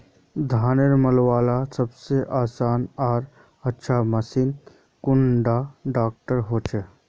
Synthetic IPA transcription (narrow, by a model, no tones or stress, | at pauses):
d̪ʱaːneɾməlwaːlasəbseʔaːsaːnaːɾ | ɐtːʃʰamɐsiːn | kʊɳɖaɖaːk̚ʈəɾɦoːt͡ʃʰe